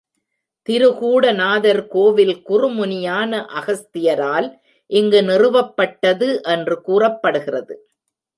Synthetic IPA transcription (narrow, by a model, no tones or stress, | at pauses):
t̪ɪɾɯɣuːɽɐnaːðɐɾkoːʋɪlkʊrɯmʊnɪjaːnɐʔɐɣɐst̪ɪjɐɾaːl | ʔɪŋɡɯnɪrɯʋɐpːɐʈːɐðɯʔɛndrɯkuːrɐpːɐɽɯɣɪrɐðɯ